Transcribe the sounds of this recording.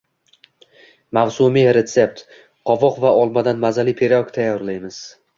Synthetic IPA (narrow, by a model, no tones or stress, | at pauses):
mawsumiɾe̞t̪se̞p̚t̪ | qʰɒvɒqvaɒlˠmad̪anmazalipʰeɾakt̪ʰajɒɾlajmɪz̥